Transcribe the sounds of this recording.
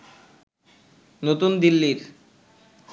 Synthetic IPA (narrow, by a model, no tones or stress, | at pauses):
not̪und̪ilːiɾ